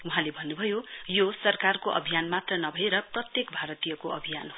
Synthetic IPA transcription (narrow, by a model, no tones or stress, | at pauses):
uɦãlebʱʌnːubʱʌjojosʌrkarkoʔʌ̰bʱijanmat̪rʌnʌbʱʌeɾʌprʌt̪jekbʱaɾʌt̪ijʌkoʔʌbʱijanɦo